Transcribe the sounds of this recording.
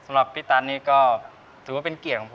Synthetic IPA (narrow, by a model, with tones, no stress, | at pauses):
sa˧mɾa˨˩p̚pʰiː˦˥˩t̪aː˧nːiː˦˥˩kɔː˥˩ | t̪ʰɯ˨˩˦wa˥˩e˧nki˨˩ət̪̚kʰːɔ˨˩˦pʰ